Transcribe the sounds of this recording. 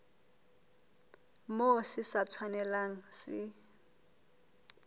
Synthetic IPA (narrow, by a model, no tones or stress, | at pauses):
mosɪsat͡sʰwanɛlaŋ̩sɪ